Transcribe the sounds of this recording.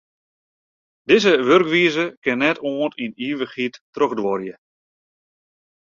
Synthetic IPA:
dɪzəʋørkʋiəzəkɪnːɛtʰoːntiniːʋəxitː | røxdʋɔrjə

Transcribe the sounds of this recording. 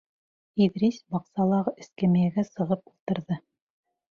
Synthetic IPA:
iðɾisbɑqsɑlˠɑʁɤʔɘ̆skæmæjæɡæsɤ̆ʁɤpulˠt̪ɤ̆ɾðɤ

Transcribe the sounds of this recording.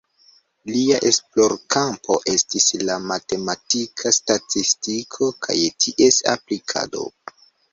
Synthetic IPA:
liaʔe̞splo̞ɾkampʰo̞̰ʔe̞stislamate̞matikʰastatistikʰo̞kʰa̰jtʰiʔe̞sa̰plikʰa̰do̞̰

